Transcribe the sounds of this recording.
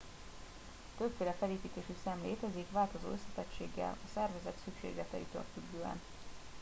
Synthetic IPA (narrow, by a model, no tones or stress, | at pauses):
t̪øbfeːlɛfɛleːpiːt̪eːʃisamleːt̪ɛzikʋaːlt̪o̞zo̰ːøsːɛt̪ɛt͡ʃḛːɡːɛ̰lɒsɛrvɛzɛt̪sykʃḛːɡlɛt̪ɛḭt̪ø̰lfyɡːøːɛ̰n